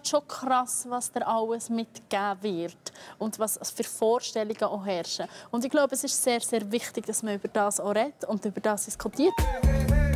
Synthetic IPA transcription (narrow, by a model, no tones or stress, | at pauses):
ʃokʰɾɑsvɑsd̥əɾʔɑwəsmɪtɡ̥æːvɪɾtʊndvɑsfyɾfɔːɾʃtɛliɡ̥əʔoɦɛɾʃəʊndɪɡ̥loʊbəəsɪʃseːɾseːɾvɪχtɪɡ̥d̥ɑsməʏb̥əɾd̥ɑːsoɾɛtʊndʏbəɾd̥ɑːsd̥iskʰutiːɾt